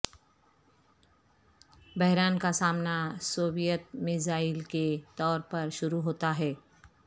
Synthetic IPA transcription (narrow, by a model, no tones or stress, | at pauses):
bɐɦɾaːnkasaːmnasoːbijət̪mɪzaːɪlket̪ɔːɾpɐɾʃʊɾuɦoːt̪aɦɛː